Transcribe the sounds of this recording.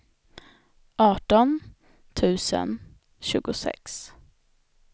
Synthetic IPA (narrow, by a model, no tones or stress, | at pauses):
ʔɑːʈɔn | t̪ʰʉ̟ːsə̰n | ɕʉ̟̰ːɡʊsɛ̰ks